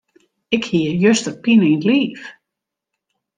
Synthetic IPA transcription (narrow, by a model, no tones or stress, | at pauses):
ɪkhiəjøstər̚pinəintliːf